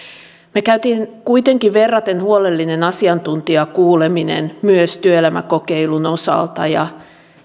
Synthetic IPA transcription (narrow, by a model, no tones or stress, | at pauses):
mekæyt̪inkuit̪eŋkiʋʋerːɑt̪enhuolelːinenɑsiɑnt̪unt̪iɑkuːleminḛnmyøst̪yøelæmæ̰kokeilunosɑ̰lt̪ɑ̰jɑ̰